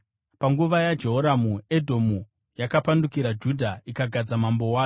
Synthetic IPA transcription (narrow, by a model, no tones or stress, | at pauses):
paŋɡuʋajad͡ʒe̞ɦoɾamuedʱo̞mu | jakapandukiɾad͡ʒudʱaikaɡʱad͡zamambo̞waːjo